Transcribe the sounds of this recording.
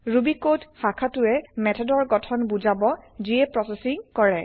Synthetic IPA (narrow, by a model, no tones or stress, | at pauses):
ɹubikodxakʰatʊɛmɛtʰɔdɔɹɡɔtʰɔnbuzabɔziɛpɹɔsɛsiŋkɔɹɛ